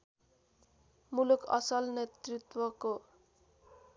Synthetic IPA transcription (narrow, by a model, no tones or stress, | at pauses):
mulukʌ̰sʌlnet̪rit̪wʌko